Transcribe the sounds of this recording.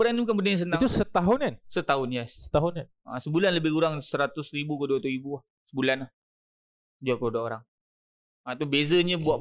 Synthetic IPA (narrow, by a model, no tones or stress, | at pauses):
əɾaŋnibukanbəndaãs̬ənãŋt̪usət̪aɦʊnansət̪aʊnjassə̥t̪aɦʊnkan | a̰səbulanləbɪkuɾaŋsəɾat̪ʊsɾibukəduat̪uibuah | səbulanah | d͡ʒuakəudaoɾaŋ | at̪awbezəɲabua